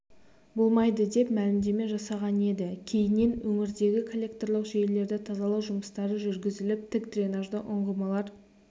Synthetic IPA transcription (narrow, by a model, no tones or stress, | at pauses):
bʊlˠmɑjd̪əd̪e̞pmælɪmd̪e̞me̞ʒɑsɑʁɑne̞d̪ɪkʲʰe̞jɪnːe̞nwɵŋɪɾd̪e̞ɡʲɪkʰolʲːe̞k̚t̪o̞rlˠəqʒejle̞ɾd̪ɪt̪ʰɑzɑlˠɑwʒʊməst̪ɑɾəʒʏɾɡʲɪzɪlɪp̚t̪ʰɪkd̪rʲenaʒd̪əʔʊɴʁəmɑlˠɑɾ